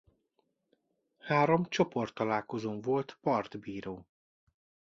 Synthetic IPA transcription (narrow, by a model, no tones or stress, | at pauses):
haːɾo̞mt͡ʃo̞po̞rt̪ːɒlaːlko̞zoːmvo̞lt̪pɒrd̪biːɾoː